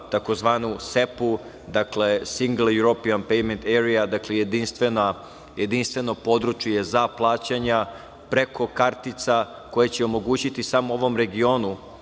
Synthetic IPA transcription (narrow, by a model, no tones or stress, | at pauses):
t̪ako̞zʋaːnuse̞pu | d̪akle̞siŋɡl̩juɾopianpejment̪eɾijad̪akleje̞d̪inst̪ʋena | je̞d̪inst̪ʋe̞no̞po̞d̪ɾut͡ʃjejezaplˠaːt͡ɕaɲa | pɾe̞kʰo̞kaɾt̪it̪sa | ko̞jet͡ɕeomo̞ɡuːt͡ɕit̪isamooʋo̞mɾe̞ɡio̞nu